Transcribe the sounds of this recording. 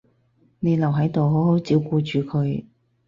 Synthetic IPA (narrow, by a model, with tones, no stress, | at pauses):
ne˨˧jlɐ˨˩wɦɐ˨˥jt̪o˨wɦo˨˥who˨˥wt͡siː˨˥wkuː˧t͡ʃyː˨kʰɵ˨˧ɥ